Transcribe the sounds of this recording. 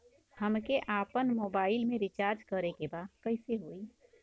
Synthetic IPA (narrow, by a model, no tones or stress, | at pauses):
həmkeʔaːpənmoːbaːɪlmẽɾɪt͡ʃaːɾd͡ʒkəɾekebakəɪseɦoːi